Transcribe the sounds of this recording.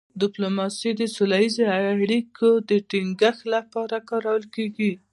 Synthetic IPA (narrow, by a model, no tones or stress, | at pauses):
d̪ɪplomɑsid̪əsolajizeaɽikʰod̪əʈiŋɡəxlapɑɾakɑɾawəlkeɡi